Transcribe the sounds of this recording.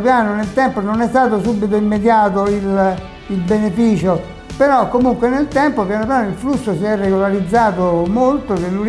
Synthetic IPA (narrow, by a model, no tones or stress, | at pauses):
pjaːnonelt̪ɛmpononɛst̪aːt̪̬osubːit̪̬oimːed̪jaːt̪̬oil | ilbenefiːt͡ʃo | peɾɔkːomuŋkwenelt̪ɛmpopjanop̬jaːnoilflusːosiɛrːeɡolaɾid̪zːaːt̪omolt̪od̪elːuɾ